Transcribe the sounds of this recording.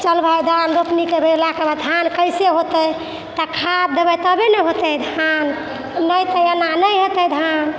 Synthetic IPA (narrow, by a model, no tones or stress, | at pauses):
t͡ʃəlbʱajd̪ʱanɾopnikebelakebʱad̪ʱankəjseɦot̪əj | t̪ɔkʰad̪ebəjt̪ɔbenɛɦot̪əd̪ʱanː | əjt̪əjananəjɦot̪əjd̪ʱan